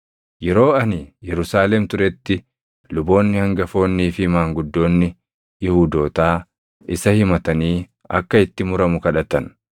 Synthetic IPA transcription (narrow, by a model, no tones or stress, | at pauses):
jɛɾo̞ːɐnɪjɛɾʊsaːlɛmt̪ʊɾɛt̪ːɪ | lʊbo̞ːnːɪhɐŋɡɐfo̞ːnːiːfɪmaːŋɡʊd̪ːo̞ːnːɪ | jɪhuːd̪o̞ːt̪aː | ʔɪsɐhɪmɐt̪ɐniː | ɐ̰kːɐɪt̪ːɪmʊɾɐmʊkɐᶑɐt̪ɐn